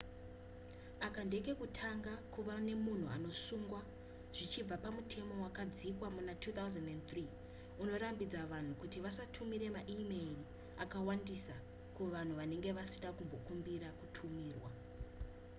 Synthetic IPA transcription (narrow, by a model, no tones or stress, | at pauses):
akandeke̞kutʰaŋɡakuʋane̞mun̤ua̰no̞suŋɡwa | ʐ̥it͡ʃib͡vapamutʰe̞mo̞wakad͡zikwamunatʰut̪auzendent̪ri | uno̞ɾambid͡zaʋan̤ukutiʋasatʰumiɾe̞maʔimeri | akawandisa | kuʋan̤uʋane̞ŋɡe̞ʋasiɗakumbo̞kumbiɾakutʰumiːrwa